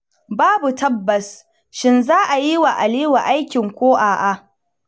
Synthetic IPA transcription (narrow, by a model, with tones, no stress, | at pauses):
baː˦bu˨tɐ˦bːɐ˨s | ʃɪ˦nzaː˦ʔa˨ji˦wa˨ʔa˨liː˦wa˨ʔa˦jkʲɪ˨ŋkʷoː˦ʔaː˨ʔa˨ʔ